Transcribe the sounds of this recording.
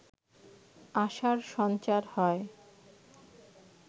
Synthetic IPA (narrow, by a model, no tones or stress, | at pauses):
aʃaɾʃɔnt͡ɕaɾhɔe